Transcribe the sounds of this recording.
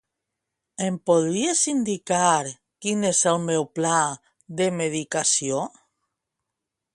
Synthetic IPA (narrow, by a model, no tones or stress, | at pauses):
empoðɾiesind̪ikaɾ | kineselmewpla | d̪emeðikasjo